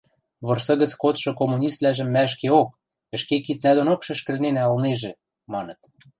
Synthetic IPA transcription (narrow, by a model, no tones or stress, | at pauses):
βɤ̆rsɤ̆ɣə̆t͡skot̪ʃɤ̆komunʲist̪læʒə̆mːæə̆ʃ̬keok̚ | ə̆ʃkekit̪̚næd̪onokʃɘ̆ʃkɘ̆lnenæɤlneʒĕ | mɑnɤ̆t̪̚